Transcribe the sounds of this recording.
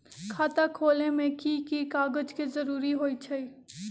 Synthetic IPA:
kʰaːt̪akʰoːlemẽkikikaːɡəd͡ʒkezəɾuːɾiɦoːit͡ʃʰɐi

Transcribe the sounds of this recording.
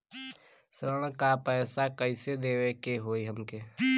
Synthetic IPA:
sɾəɽ̃kapɛːsakəɪsed̪eːwekeɦoːiɦəmke

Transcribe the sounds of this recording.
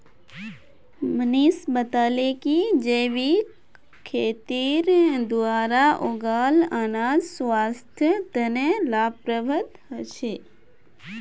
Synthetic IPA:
mənisbət̪aːlekid͡ʒeːʋi | kʰeːt̪iːɾd̪uaːɾaʔoɡaːlaːnaːdsʋaːst̪ʰjət̪ənelaːpɾəbʱət̪ɦət͡ʃʰeː

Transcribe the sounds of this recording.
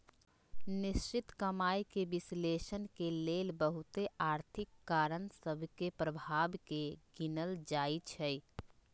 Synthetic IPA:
nɪst͡ʃɪt̪kəmaːjkeʋɪsleʃənkeleːlbəɦut̪eaːɾt̪ʰɪkːaːɾənsəbʱkepɾəbʱaːbkeɡinəld͡ʒait͡ʃʰɛj

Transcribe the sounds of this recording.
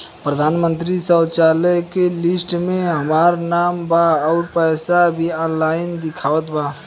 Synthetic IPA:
pɾəd̪ʱaːnmə̃nt̪̬ɾisət͡ʃaːləkelɪsʈmẽɦɐmaːɾnaːmbaɔːɾpɛːsabʱiɔːnlaːɪnd̪ɪkʰaːʋət̪baː

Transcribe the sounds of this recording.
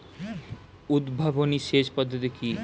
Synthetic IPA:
ud̪bʱaboniʃeʃpɔd̪ʱːot̪̬iki

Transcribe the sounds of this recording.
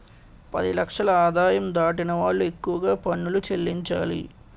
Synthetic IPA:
pɐ̰d̪ilɐkʂɐlɐaːd̪ʱaːjɐmd̪aːʈinɐʋaːɭːue̞kːuʋɐɡaːpɐɳːulut͡ʃelːiɲt͡ʃa̰ːlḭ

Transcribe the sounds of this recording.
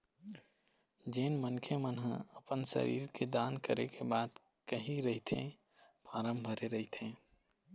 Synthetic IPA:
d͡ʒeːnmənkʰemənɦə̃əpənsə̰ɾḭːɾked̪aːnkəɾekebaːd̪ | kəɦiɾəɦit̪ʰḛ̃ | paːɾəmbʱəɾeɾəɦit̪ʰẽː

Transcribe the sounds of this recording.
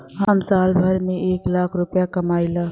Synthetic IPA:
ɦəmsaːlbʱəɾmẽʔeːklaːkʰɾʊpjakɐmaːilaː

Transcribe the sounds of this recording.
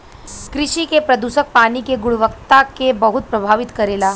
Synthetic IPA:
kɾɪʃikepɾɐd̪uʃək̚paːnikeɡʊɽʋəkt̪akebəɦut̪̚pɾɐbʱaːʋɪt̪kɐɾeːlaː

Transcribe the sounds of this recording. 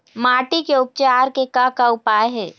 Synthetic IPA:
maːʈikeʊp̚t͡ʃaːɾkekakaʊpaːeɦɛː

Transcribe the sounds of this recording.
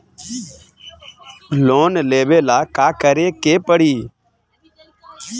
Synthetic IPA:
loːnleːʋeːlaːkaːkəɾeːkeːpəɽiː

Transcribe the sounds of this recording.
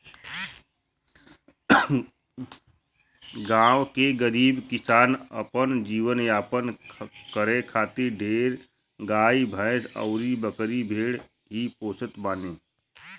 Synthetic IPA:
ɡãːwkeɡəɾiːbkɪsaːnəpənd͡ʒiːwənjaːpənkəɾẽkʰaːt̪ɪɾɖʱeːɾ | ɡaːibʱə̃sə̰ʊɾibəkɾibʱeːɽ | ɦipoːsət̪baːnẽː

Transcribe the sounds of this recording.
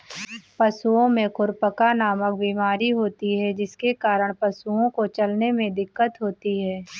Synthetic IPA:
pɐsuõmẽkʊɾpəkanaːmək̚biːmaːɾiɦoːt̪iɦɛd͡ʒɪskekaːɾəɽ̃pɐsuõkot͡ʃɐlnemẽd̪ɪkːət̪ɦoːt̪iɦɛː

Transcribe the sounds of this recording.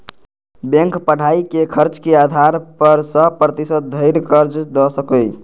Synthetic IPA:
bẽŋkpəɽ̤aikekʰəɾt͡ʃkead̪ʱaɾpəɾsə̃pɾət̪isət̪̚d̪ʱəɪɾkəɾd͡ʒd̪əsəkəj

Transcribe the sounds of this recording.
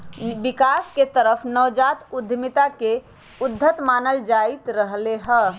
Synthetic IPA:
bikasket̪əɾəpʰnəwd͡ʒat̪ud̪ʱːmit̪ake | ud̪ʱːət̪maːnəld͡ʒait̪ɾəɦleɦə

